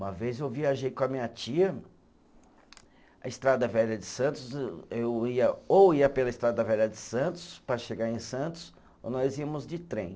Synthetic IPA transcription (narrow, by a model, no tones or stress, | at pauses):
ũmɐvezewviaʒejkõɐmĩɲɐt͡ʃiɐ | ɐ̰ɪst̪ɾad̪ɐvɛʎɐd͡ʒɪsɐ̃nt̪ʊzewiɐowiɐpelɐɪst̪ɾad̪ɐvɛʎɐd͡ʒɪsɐ̃nt̪ʊ̥spɾɐʃeɡaɾẽj̃sɐ̃nt̪ʊ̥s | o̰nɔziɐmʊzd͡ʒɪt̪ɾẽj̃